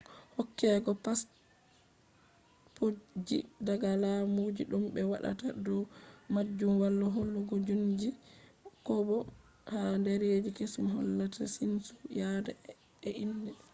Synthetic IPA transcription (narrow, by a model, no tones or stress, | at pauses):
hɔkːɛɡɔpas | pod͡ʒḭdaɡalamud͡ʒiɗumbɛwa̰ɗa̰tadɔmad͡ʒːumwalːɔɦolːuɡɔd͡ʒund͡ʒikɔbɔ | handɛɾed͡ʒikesmɦɔ̰lːatasinsujada | ɛʔindɛ